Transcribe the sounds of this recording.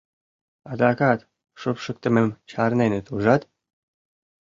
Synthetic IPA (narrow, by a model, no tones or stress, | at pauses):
ɑd̪ɑkɑt̪ | ʃɨpʃɤ̆k̚t̪ə̆memt͡ɕɑɾnenĕt̪ʰuʒɑt̪